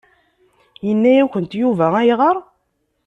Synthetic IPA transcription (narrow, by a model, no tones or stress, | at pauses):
jənːæjæçʷənt̪juvææjʁəɾˤ